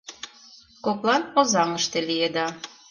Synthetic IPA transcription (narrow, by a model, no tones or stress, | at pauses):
koplˠɑnozɑŋəʃt̪elijed̪ɑ